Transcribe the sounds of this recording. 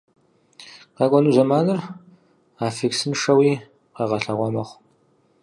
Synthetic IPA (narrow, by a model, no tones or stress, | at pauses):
qɑkʷʼɔnɨzɐmaːnɨr | aːfiksɨnʂɐwiː | qɐːʁɐɬɐʁʷɔmɐχʷ